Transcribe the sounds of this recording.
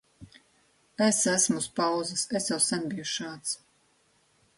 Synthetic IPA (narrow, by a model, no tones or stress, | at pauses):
esæsmuspawzasesjawsænbijuʃaːt̪s